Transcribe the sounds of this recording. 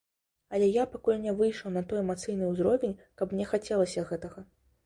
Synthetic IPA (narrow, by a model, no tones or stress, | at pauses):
ɐlʲɛjapakulʲnʲɛvɨjʂɐwnɐt̪ɔjɛmat̪sɨjnɨuzɾɔvʲenʲkɐpmnʲɛxat͡sʲɛlˠɐsʲɐɣɛt̪ɐɣɐ